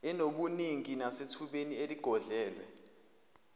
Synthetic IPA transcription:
ɛnoɓuniŋinasitʰuɓenieliɡ̥ʱɔɮɛːlwɛ̰

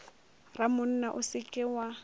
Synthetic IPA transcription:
ramʊn̩naʔʊsɪkʼɪwa

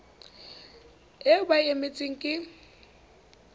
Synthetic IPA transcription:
ɛbaemɪt͡sʼɪŋ̩kʼɪ

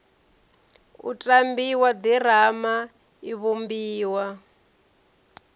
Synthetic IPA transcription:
ṵtʼambiwadiɾ̤ama | iβumbiːwa

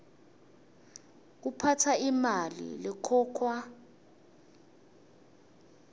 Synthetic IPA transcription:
k̬upʰatʰaimalḭlɛkʰɔːkʰwa

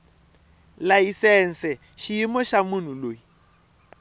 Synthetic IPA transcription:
laisɛn̩sɛ | ʃiimɔʃamun̤uloːji

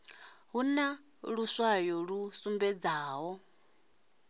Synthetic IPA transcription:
ɦuna | ɺuswajɔɺusumbɛd͡zaːɦɔ

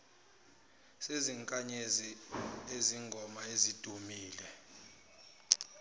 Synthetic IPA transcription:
seziŋkʼaɲezieziŋɡʱɔmaezid̥ʱumiːlɛ

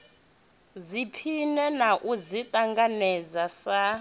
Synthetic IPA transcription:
zipʰinɛnaʔuzitʼaŋɡanɛd͡zasa

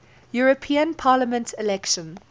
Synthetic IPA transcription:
juɹəpʰĩə̃npʰaːləmə̃ntʰɪlɛkʃə̃n

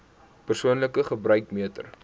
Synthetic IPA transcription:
pərsuənləkəχəbrœɥkmiətə̰r

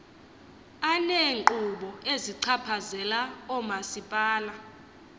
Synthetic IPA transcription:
anɛŋǃuɓɔeziǀʰapʰazɛlaɔmasipʼaːla

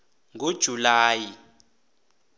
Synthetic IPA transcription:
ŋud̥ʒ̥ʱulaːji

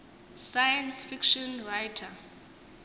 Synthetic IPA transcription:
sajansfikʃɔnrajtʰa

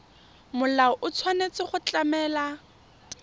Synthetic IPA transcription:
mʊlaɔʔʊt͡sʰwanet͡sʼɪχʊt͡ɬʼamɛːla

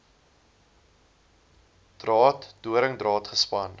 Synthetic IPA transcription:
d̥rɑːtd̥uəɾəŋdrɑːtχəspɐn

